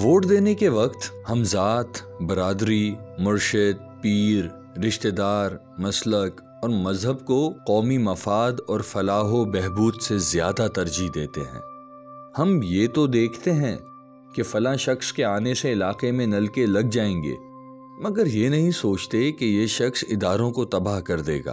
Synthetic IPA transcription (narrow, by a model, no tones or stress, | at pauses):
ʋoːʈd̪eːnekeʋɐqt̪hɐmzaːt̪bɐɾaːd̪ɾimʊɾʃɪd̪̚piːɾː | ɪʃt̪eːd̪aːɾ | mɐslək | ɔːɾmɐzɦəb̚koqɔːmimɐfaːd̪ɔːɾfɐlaːɦobɛɦbuːd̪sezjaːd̪at̪ɐɾd͡ʒid̪eːt̪ḛɦɛ̰̃ː | hɐmjeːt̪od̪eːkʰt̪eɦɛ̃ | kefɐlãʃɐxskeaːneseɪlaːqemẽnɐlkelɐɡ̚d͡ʒaːẽːŋɡḛː | mɐɡəɾjenɐɦĩsoːt͡ʃt̪ekejeʃɐxsɪd̪aːɾõkot̪ɐbaːɦkɐɾd̪ḛːɡa̰ː